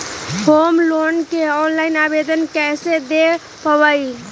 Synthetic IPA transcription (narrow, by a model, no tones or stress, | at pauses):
hoːmloːnkeɔːnlaːɪnaːʋeːd̪ənkɛːsed̪e | pəʋaːi